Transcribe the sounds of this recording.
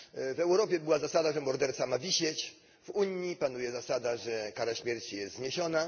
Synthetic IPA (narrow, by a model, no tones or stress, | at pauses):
vɛwɾɔpʲjɛbɘwazasad̪aʐɛmɔɾd̪ɛɾt̪samavʲiɕɛt͡ɕ | vuɲːipanujɛzasad̪aʐɛkaɾaɕmʲjɛɾt͡ɕijɛst̪zɲeɕɔna